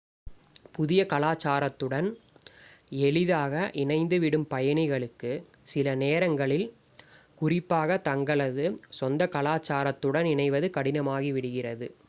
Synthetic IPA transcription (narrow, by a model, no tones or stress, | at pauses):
pʊðɪjɐkɐlaːt͡ʃːaːɾɐt̪ːɯɽɐn | ɛɭɪðaːɣɐʔɪnɐɪnd̪ɯʋɪɽɯmpɐjɐɳɪɣɐɭɯkːɯ | sɪlɐneːɾɐŋɡɐɭɪl | kʊrɪpːaːɣɐt̪ɐŋɡɐɭɐðɯsɔnd̪ɐkɐlaːt͡ʃːaːɾɐt̪ːɯɽɐnɪɳɐɪʋɐðɯkɐɽɪnɐmaːɣiʋɪɽɯɣɪrɐðɯ